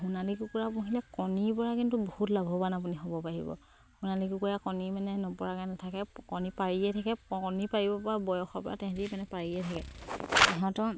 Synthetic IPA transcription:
ɦunalikukuɹapuɦilɛkɔnipɔɹakintubohutlabʱɔbanap̬uniɦɔbɔpaɦḭbɔ̰ | hunalikukuɹakɔnimanɛnɔpɔɹakanatʰakɛkɔnipaɹijɛtʰakɛkɔnipaɹibɔpɔɹabɔjɔxɔpɔ̰a̰tɛ̃kɛ̃timanɛpaɹiɛtʰakɛɛɦɔ̃tɔ

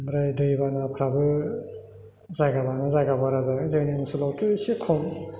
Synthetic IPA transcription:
ɾajdɯjibanapʰɾabɯ | zajɡalanazajɡabaɾazazenimɯsulawtʰɯsikʰɔm

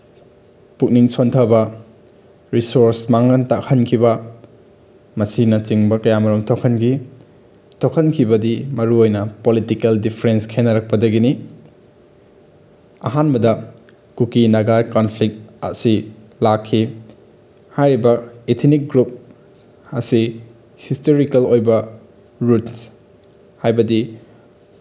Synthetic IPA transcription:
puk̚niŋsontʰɐbɐ | ɾisoɾsmaŋɐntakʰɐnkʰibɐ | mɐsinɐt͡ʃiŋbɐkɐjamɐɾuŋtʰokʰɐnɡi | tʰokʰɐnkʰibɐdimɐɾuojnɐpolitikeldipʰɾenskʰenːɐɾɐk̚pɐdɐɡini | ɐ̰ɦanbɐdɐ | kukinɐɡajkonpʰlik̚t̚ɐ̰si | lakʰːi | hajɾibɐetʰnik̚ɡɾup̚ | ɐsi | histoɾikɐlojbɐ | ɾuts | hajbɐdi

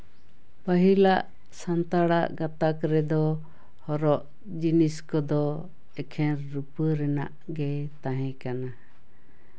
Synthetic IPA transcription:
pəɦilaʔ | sant̪aɽaʔɡãt̪akɾɛd̪ɔ | hɔɾɔʔ | d͡ʒiniskɔd̪ɔ | ɛkʰɛɾːupəɾɛna̰ʔ | ɡɛt̪aɦɛ̃kana

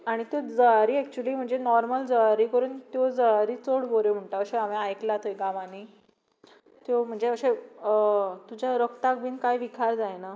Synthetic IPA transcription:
aɽ̃it̪jod͡zəaɾiːɛk̚t͡ɕuəliːm̤əɳd͡zenɔɾməld͡zəaɾiːkəɾuːnt̪jod͡zəaɾiːt͡soɽɡoɾjom̤əɳʈaəɕeameajklat̪ojɡãʋani | t̪jom̤əɳd͡zeəɕe | t̪ud͡ʑaɾəkt̪ak̚biːnkajʋikʰaɾd͡zajna

